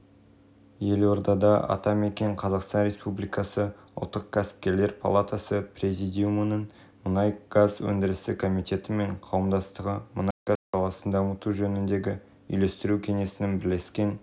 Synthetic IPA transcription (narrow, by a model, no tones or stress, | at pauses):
je̞lwo̞ɾd̪ɑd̪ɑʔɑ̰t̪ɑme̞kʲe̞ɴqʰɑzɑqst̪ɑnɾe̞spublijkɑsəʊlˠt̪ːəq̚kʲʰæsɪ̥p̚kʲe̞ɾle̞ɾpʰolˠat̪asəpɾʲe̞zijd̪iumənəɴ | mʊnɑjɡ̥azwɵ̰nd̪ɪɾɪsɪkʰo̞mijt̪e̞t̪ɪme̞ɴqʰɑwəmd̪ɑst̪əʁəmʊnɑjɡ̥azqɑlˠɑsənd̪ɑmət̪uʒɵnɪnd̪e̞ɡʲɪ | ʏ̰jle̞st̪ɪɾukʲʰe̞ŋe̞sɪnɪnbɪɾle̞skʲe̞n